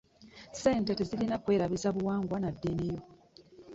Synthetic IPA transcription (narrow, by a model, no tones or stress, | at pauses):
se̞ːnte̞te̞zilinakwe̞ːɾaβizaβuwaːŋɡwanadːenejo